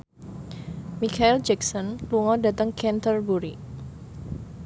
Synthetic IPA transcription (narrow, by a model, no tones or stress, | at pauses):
mikaɛld͡ʒɛksɔnluŋɔdat̪əŋkɛnt̪ərbuɾi